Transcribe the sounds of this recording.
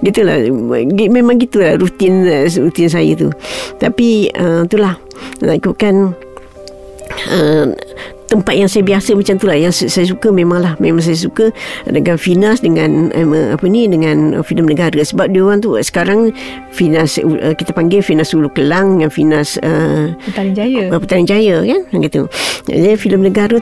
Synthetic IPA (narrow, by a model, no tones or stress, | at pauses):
ɡit̪ula̰ɡmemaŋɡit̪ulahɾut̪ɪnəɾut̪ɪns̬ajə̰t̪ṵt̪apiəmt̪ulah | la̰ʔikukan | ə | t̪əmpat̪̚jaŋsajəbiasəmat͡ʃamt̪ulahjaŋssajəs̬ukəmẽmaŋlahmemãŋs̬ajas̬ukədəŋãnfinasdəŋanə̰əapənidəŋanə̰filəmnəɡaɾəsəbap̚diwaŋt̪ṵsə̥kaɾaŋ | finasuʔəkit̪apaŋɡefinasulukəlaŋdəŋanfinasəəad͡ʒajəəpət̪anənd͡ʒajəkanaŋɡet̪ṵa̰d͡ʒafiləmnəɡaɾə